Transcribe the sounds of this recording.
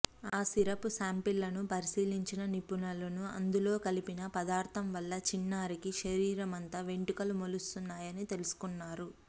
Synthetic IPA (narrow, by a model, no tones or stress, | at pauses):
aːsiɾɐpusaːmpilːɐnupɐɾisiːliɲt͡ʃinɐnipunɐlɐnuɐ̰nd̪ulo̞ːkɐlipinɐpɐd̪aːɾt̪ʰɐmʋɐlːɐt͡ʃinːaːɾikiʃɐɾiːɾɐmɐnt̪ɐʋe̞ɳʈukɐlumolust̪unːaːjɐnit̪e̞lusu̥kunːaːɾu